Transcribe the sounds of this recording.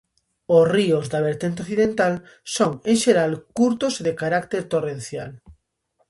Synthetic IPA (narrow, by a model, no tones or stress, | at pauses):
osriozðaβ̞eɾt̪ent̪eoθiðẽnt̪al | soŋẽŋʃeɾalkuɾt̪ozðekaɾakt̪eɾt̪orẽnθjal